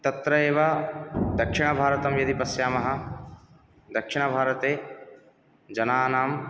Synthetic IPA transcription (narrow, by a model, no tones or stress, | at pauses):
t̪ɐt̪ɾɐeːʋɐd̪ɐkʂiɳ̃ɐbʱaːɾɐt̪ɐmjɐd̪ipɐsjaːmɐɦɐ̆ | d̪ɐkʂɪɳ̃ɐbʱaːɾɐt̪eː | d͡ʒɐnaːnaːm